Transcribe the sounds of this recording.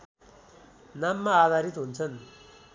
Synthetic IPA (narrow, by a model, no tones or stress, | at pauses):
namːaːd̪ʱaɾit̪ɦunt͡sʰʌn